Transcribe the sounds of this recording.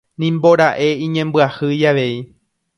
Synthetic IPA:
nĩmbo̞ɾaʔe̞ĩɲẽ̞mbɨahɨjaʋe̞i

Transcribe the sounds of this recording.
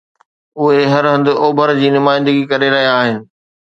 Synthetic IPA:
ʊɦeɦɐɾɦəɐ̃nd̪ʊoːbʱəɾd͡ʑiːnʊmaːɪ̃nd̪əɡikɐɾeɾɐɦijaːɦɪnɪ̆

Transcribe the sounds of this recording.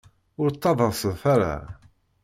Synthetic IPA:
ʊɾt̪ˤːɑðˤəʁˤsəðˤfaɾa̰

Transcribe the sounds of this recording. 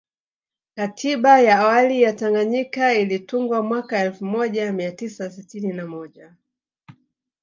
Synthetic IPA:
katʰiɓajaːwalijataŋɡaɲikailituŋɡwamwakaɛlfumɔʄamiatisasitininamɔʄa

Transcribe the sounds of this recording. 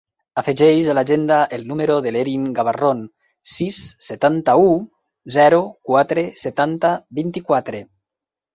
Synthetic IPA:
afeʒɛjzalaʒend̪aʔelnumeɾoðeleɾiŋɡaβaron | sisːet̪ant̪au | zɛɾukwat̪ɾeset̪ant̪aβint̪ikwat̪ɾe

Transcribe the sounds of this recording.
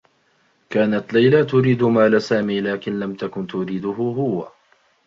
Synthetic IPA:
kaːnat̪lajlat̪ʊɾiːd̪ʊmaːlasaːmiːlaːkɪnlamt̪akʊnt̪ʊɾiːd̪ʊɦhʊɦʊwa

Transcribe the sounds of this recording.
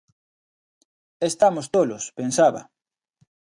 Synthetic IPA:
est̪amʊst̪olʊspensaβɐ̰

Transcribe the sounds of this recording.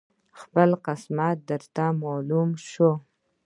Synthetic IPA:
xpəlqɪsmɑt̪̚d̪əɾt̪amɑlumʃo

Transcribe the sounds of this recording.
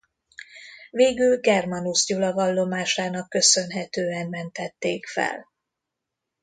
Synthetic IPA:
veːɡylɡɛrmɒnusɟulɒvɒlːo̞maːʃaːnɒkːø̞sø̞nɦɛt̪øːɛmmɛnt̪ɛt̪ːeːkfɛ̰l

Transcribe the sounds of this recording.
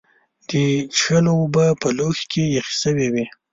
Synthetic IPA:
d̪̥ət͡ʃxəlowbəpəloxkʰejaxi̥səwewi

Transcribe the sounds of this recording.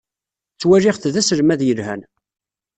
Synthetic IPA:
t͡sːwæɾɪʁθðæsəɾmæðjəlhæ̰n

